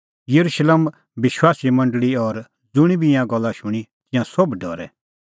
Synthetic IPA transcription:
jɐɾuʃleːm | bɪʃwaːsimɐ̃ɳɖɭiɔɾ | d͡zʊɽ̃ibʱijãɡɔlːaʃʊɽ̃it̪ɪjãsobɖʱɔ̰ɾɛ̰

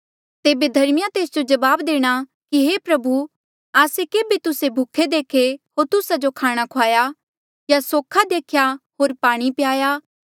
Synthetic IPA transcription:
t̪eːbed̪ʱɐɾmɪjãt̪eːsd͡ʒod͡ʒɐʋaːbd̪eːɽ̃a | kiɦeːpɾɐbu | aːsekeːbet̪ʊsebʱʊkʰːed̪eːkʰeɦoːɾt̪ʊsad͡ʒokʰaːɽ̃akʰoaːja | jasoːkʰad̪eːkʰjaɦoːɾpaːɽ̃ipɪjaːjaː

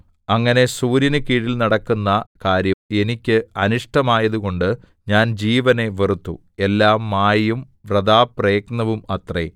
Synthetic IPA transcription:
ɐŋːɐne̞suːɾinɨkiːɻilnɐɽɐkːunːɐkaːɾjɐme̞nikʲːɨɐnuʂʈɐmaːjɐðuɣo̞ɳɖɨ | ɲaːnd͡ʑiːʋɐne̞ʋerut̪ːṵ | e̞lːaːmːaːjum | ʋrɐd̪aːpreːknɐʋumɐt̪re

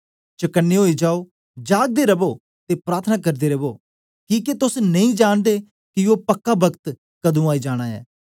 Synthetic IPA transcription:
t͡ʃɐkənːeɦoːid͡ʒaːoː | d͡ʒaːɡ̚d̪eɾɐbo | t̪epɾaːɾt̪ʰənakɐɾd̪eːɾɐboː | kiːket̪ʊsnɐĩːd͡ʒaːñd̪eː | kɪoːpɐkːabɐkt̪ | kɐd̪ũːaːid͡ʒaːɽ̃aːɛ̰ː

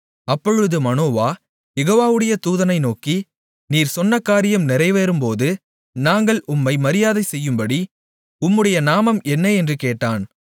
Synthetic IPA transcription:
ɐpːɔɻɯðɯmɐnoːʋaː | jɛɣoːʋaːʋɯɽɐjɐt̪uːðɐnɐɪnoːki | niːɾsɔnːɐkːaːɾɪjɐmnɪɾɐɪʋeːɾɯmpoːðɯ | naːŋɡɐɭʔʊmːɐɪmɐɾɪjaːðɐɪsɛjːɯmbɐɽi | ʊmːɯɽɐjɐnaːmɐmɛnːɐɛndrɯkeːʈːaːn

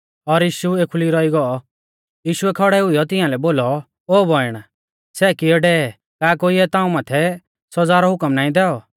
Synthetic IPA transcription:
ɔɾjiːʃueːkʰuliɾɔiɡɔɔ | jiːʃuɛkʰɔɽɛʊijɔt̪ɪãlɛboːlɔ | oːbʱɔɪɽ̃a | sɛːkiɔɖɛ | kaːkoːiɛt̪ãːũmaːt̪ʰɛ | sɔd͡zaːɾɔɦʊkəmnaːĩd̪ɛːɔ

